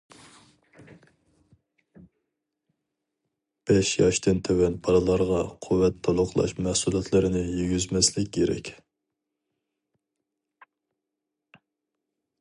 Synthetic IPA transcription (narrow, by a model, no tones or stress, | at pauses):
b̥ɛʃjɑʃt̪ɨnt̪ʰewɛnpʰɑɾɨlˠɑɾʁɑqʰuwːɛt̪ʰːolˠʊqʰlˠɑ̰ʃmæhsulˠjɑt̪ʰlɨɾɪnɪjyɡʲyzmɛslɪkʲːeɾɛ̰kʲ